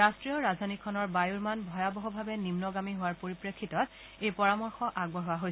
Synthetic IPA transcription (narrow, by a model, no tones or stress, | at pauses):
astɹijɔɹazanikʰɔnɔɹbajuɹmanbʱɔjabɔɦɔbʱabɛnimnɔɡamiɦʊwaɹpoɹipɹekʰːitɔt | ejpɔɹamɔɹxɔʔaɡ̚bɔɦowaɦoj